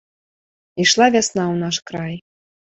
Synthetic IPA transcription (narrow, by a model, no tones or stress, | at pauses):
iʂlˠavʲasnaunaʃkɾaj